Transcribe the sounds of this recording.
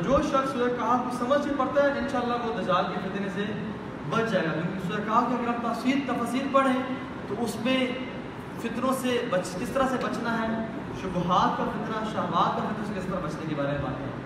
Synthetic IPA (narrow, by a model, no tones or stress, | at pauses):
d͡ʒoːʃɐksʊɛkaːkosɐməd͡ʒkipɐɽt̪aɦɛɪ̃nʃaːəlːaloːd̪ɐd͡ʒaːlkefɪt̪ɾẽse | bɐt͡ʃd͡ʒaːeɡajõːkɪnsʊɛːkaːat̪oɐɡəɾaːb̚t̪asiːɾt̪ɐfaːsiːɾpɐɽ̤ẽ | t̪oʊsmẽ | fɪt̪ɾõsebɐt͡ʃkɪst̪əɾasebɐt͡ʃnaɦɛː | ʃʊbɦaːt̪aɾfɪt̪ɾaʃaːmaːt̪̚ɔɾfɪt̪ɾõsekɪst̪əɾabɐt͡ʃnekebaːɾemẽba̰ːt̪ɦɛ̰ː